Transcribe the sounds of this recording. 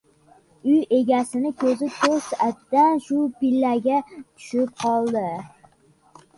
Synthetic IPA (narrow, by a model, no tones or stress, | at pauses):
ʊje̞ɡʲasɪnɪkʲʰɵzɪt̪ʰoɾsat̪ːanʃʊpɪlːaɡʲat̪ʰʊ̥ʃɪp̚qʰɒlˠd̪ɪ